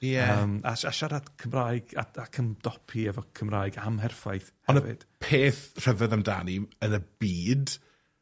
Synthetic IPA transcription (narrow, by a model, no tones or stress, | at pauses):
jɛəma̰ʃaʃaɾadkʰəmraːjɡa̰akʰəmd̥ɔpʰiɛvɔkʰəmraːɨɡamɦɛrfajθhɔnəvɪ̰d̥pʰeːθr̥əvɛðamda̰niənəbiːd